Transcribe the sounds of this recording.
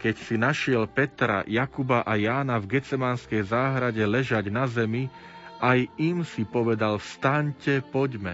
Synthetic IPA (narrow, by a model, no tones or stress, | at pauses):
kɛcsinaʃɪɛlpɛt̪ɾa̰jakubaʔajaːnavɡɛt͡sɛmanskɛjzaːɦɾaɟɛlɛʒaɟnazɛmi | ʔajimsipɔʋɛd̪alfst̪aɲcɛpɔɟmɛ̰